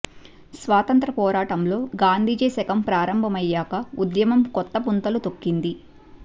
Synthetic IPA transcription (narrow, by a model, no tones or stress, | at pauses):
sʋaːt̪ɐnt̪ɾɐpɔːɾaːʈɐmlo̞ːɡaːnd̪ʱiːd͡ʒeːsɛkɐmpɾaːɾɐmbʱɐmɐjːaːkɐud̪jɐmɐmkɔt̪ːɐpunt̪ɐlut̪o̞kːind̪i